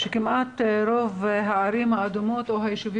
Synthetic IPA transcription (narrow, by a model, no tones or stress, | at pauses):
ʃekimat̪ɾovɦaːɾimhaːd̪umot̪oɦajeʃuvi